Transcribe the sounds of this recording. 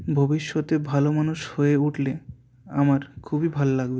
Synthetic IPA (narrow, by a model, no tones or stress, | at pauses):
bʱobiʃːot̪ebʱalomanuʃhoeuʈle | a̰maɾkʰubibʱalolaɡbe